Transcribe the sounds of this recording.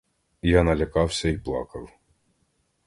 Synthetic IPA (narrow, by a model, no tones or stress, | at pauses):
janɐlʲɐkɑwsʲɐiplˠɑ̰kɐw